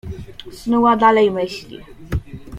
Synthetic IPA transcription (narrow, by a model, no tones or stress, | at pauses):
snuwad̪alɛjmɘɕlʲḭ